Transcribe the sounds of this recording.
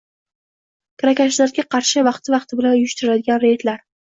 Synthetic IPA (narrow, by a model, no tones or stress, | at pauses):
kʰɾakʲaʃlaɾɡʲaqʰɑɾʃɪvɑqt̪ʰɪvɑqt̪ʰɪbɪlanjʊʃt̪ʊɾɪlad̪ɪɡʲanɾe̞t̪laɾ